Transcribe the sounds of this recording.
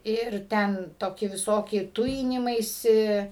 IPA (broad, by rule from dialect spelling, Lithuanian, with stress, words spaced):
ˈɪr ˈtʲɛn ˈtoːkʲɪ ʋʲɪˈsoːkʲɪ ˈtʊjɪnʲɪmɐɪsʲɪ